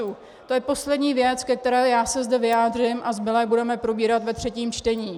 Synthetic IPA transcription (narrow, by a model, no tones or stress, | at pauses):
uː | t̪ojɛpo̞slɛdɲiːvjɛt͡skɛk̚t̪ɛɾɛːjaːsɛzdɛvɪjaːdr̝ɪmʔazmɪlɛːbudɛmɛpɾo̞biːɾat̪vɛt̪r̝̥ɛciːmt͡ʃt̪ɛɲiː